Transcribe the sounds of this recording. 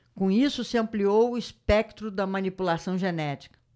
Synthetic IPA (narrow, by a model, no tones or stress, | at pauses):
kõisʊsɪɐ̃mpliowʊispɛk̚t̪ɾʊd̪ɐmɐ̃nipulasɐ̃w̃ʒenɛt͡ʃi̥kɐ̥